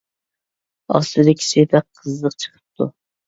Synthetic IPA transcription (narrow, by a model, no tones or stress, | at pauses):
ɑ̰st̪ɨd̪ɪkʲʰi̥sɪpɛqʰːəzːəqt͡ʃʰə̥qʰə̥p̚t̪ʰṵ